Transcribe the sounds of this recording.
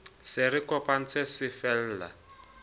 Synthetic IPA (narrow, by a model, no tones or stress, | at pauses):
sɪɾɪkʼɔpʼan̩t͡sʰɛsɪfɛl̩ːla̰